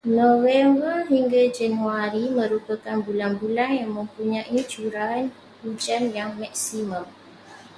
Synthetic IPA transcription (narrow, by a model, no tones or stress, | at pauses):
nõvɛmbərɦiŋɡad͡ʒanuaɾimə̃ɾupakanbulanbulanjaŋmə̃mpuɲãʔit͡ʃuɾan | ud͡ʒanjaŋmak̚simãm